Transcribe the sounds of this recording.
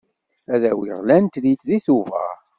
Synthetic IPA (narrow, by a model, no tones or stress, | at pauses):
æðæwiʁlænt̪ðit̪ðiθuvæ̰ʁ